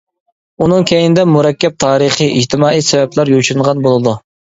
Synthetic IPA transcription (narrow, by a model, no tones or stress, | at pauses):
unɨŋkʲʰejnɪd̪ɛmuɾɛkʲːɛp̚t̪ʰɑːɾəχɨʔid͡ʒt̪ʰɪmɑːijsɛvɛplæɾjoʃunʁɑnbolˠɨd̪u